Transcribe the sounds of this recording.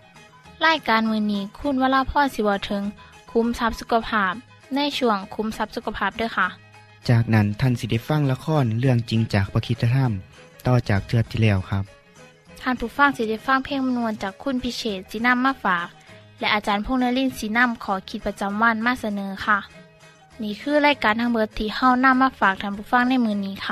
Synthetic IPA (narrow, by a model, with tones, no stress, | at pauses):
laː˧˥˩jkaː˨nmɯː˧niː˧˩kʰu˧˥˨nwaː˧˨laː˧˨pʰɔː˧˥˨nsi˧˦bɔː˧˩t̪ʰɤ˨˦ŋkʰu˧˦msa˧˦˥p̚su˧ka˧pʰaː˧˩p̚ | na˧˥˨jt͡ɕʰu˧˩əŋkʰu˨˧˦msa˧˦˥p̚su˧˥kʰa˧pʰaː˧˩p̚da˧˥˨jxʰa˧˨ | t͡ɕaː˨˩k̚na˦˥nt̪ʰa˧˥˨nsi˧˩da˧˩jfa˧˥˨ŋla˧kʰɔː˧˥˨nlɯ˧˩əŋt͡ɕi˨˦ŋt͡ɕaː˨˩k̚pa˧kʰi˧˥t̪̚ʰːa˧t̪ʰa˧˥˨m | t̪ɔː˧˩t͡ɕaː˨˩k̚t̪ʰɯ˧˩ət̪ʰːiː˧˩lɛː˧˩wkʰa˦˥p̚ | t̪ʰaː˧˩˨npʰuː˧˦fa˧˥˨ŋsi˧da˧˩jfa˧˥˨ŋpʰe˧˥˨ŋm˧nu˧ənt͡ɕaː˨˩kʰːu˧˥˨npʰi˧˥seː˧˩t̪̚si˧˦na˧˥˨mːaː˧˨faː˨˩k̚lɛ˧ʔaː˨˧t͡ɕaː˨˦npʰo˧˥˨ŋnɯ˧˥˨li˧˥˨nsi˧˦na˧˥˨mkʰɔː˨˩˦kʰi˧˦t̪̚pa˧t͡ɕa˨˧˦mwa˧˥˨nmaː˧˥˨sa˧nɤː˨˦xʰa˧˩ | niː˧˨kʰɯː˧˥˨laː˧˥˨jkaː˨˦nt̪ʰa˧ŋbo˧˦t̪ʰːiː˧˩ha˧˥˩wna˧˥˨mːaː˧˥˨faː˨˩k̚t̪ʰaː˧˩˨pʰuː˧˩fa˧˥˨ŋna˧˥˨jmɯː˧niː˧˥˨kʰa˧